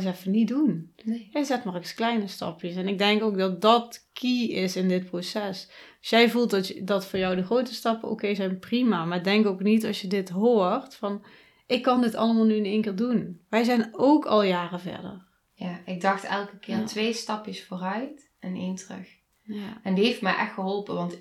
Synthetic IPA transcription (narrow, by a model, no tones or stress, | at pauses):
sɛfənit̚dunjɛjzɛtmɔrksklɛjnəstɑ̰pjəsɛnɪɡ̚dɛŋkowk̚dɑt̚dɑtkʰiɪsɪndɪt̚prosɛs | jɛjvulˠttdɑtfʊːɹjɔwdəχrowtəstɑpənʔo̰kejzɛjnprimamaːɪɡdɛŋkoknitɑsjədɪtɦoːrtfɑn | ʔɪkːɑndɪtɑ̰lˠəmaːlˠnyənejŋkɪːɹdunʋɛjzɛjnowkʰɑ̰lˠjaːrəvɛ̰ɹdə̰ɹ | jaɪɡ̚dɑxtɛ̰lˠkəkɪːɹtʋejstɑpjəsfʊːrœɥt | ɛnejntrɵ̰x | aɛndieftmɛjʔɛxxəɦɔlˠpəʋɑnt